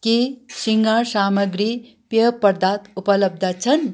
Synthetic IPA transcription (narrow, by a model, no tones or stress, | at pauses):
kisiŋɡasaːmɐɡɾi | pjɐpɐɾd̪aːt̪upɐlɐb̚d̪ʱat͡ʃʰɐn